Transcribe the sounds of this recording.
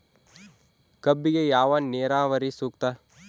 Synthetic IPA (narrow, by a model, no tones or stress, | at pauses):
kɐbːiɡejaːʋaːneːɾaːʋɐɾisuːk̚t̪aː